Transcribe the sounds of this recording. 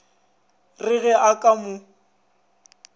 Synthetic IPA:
rɪɣɛʔakʼamʊ

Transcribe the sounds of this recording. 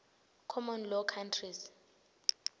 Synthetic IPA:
kʰɔmɔnlɔkʰantʰris

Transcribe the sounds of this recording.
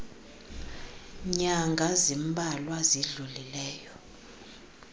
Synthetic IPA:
ɲaŋɡʱazimbʱalwaziɮulilɛːjɔ

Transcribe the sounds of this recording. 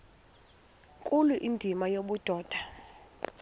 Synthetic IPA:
kʼuluʔindʱimajoɓud̥ʱɔːd̥ʱa

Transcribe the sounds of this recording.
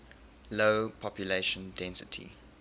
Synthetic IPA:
loʊpʰɔpjuleʃə̃ndɛ̃nsɪtʰḭ

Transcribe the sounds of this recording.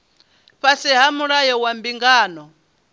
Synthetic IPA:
ɸasiɦamuɺajɔwambiŋɡaːnɔ

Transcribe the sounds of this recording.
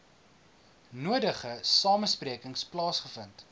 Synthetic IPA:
nuədəχəsɑːməspriəkəŋsplɑːsχəfənt

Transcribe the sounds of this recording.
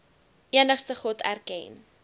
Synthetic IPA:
iənəχstəχɔtʰæ̰rkɛ̰n

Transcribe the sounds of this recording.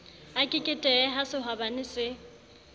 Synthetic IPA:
akʼɪkʼɪtʼɛɛɦasɪɦabanɪsɪ

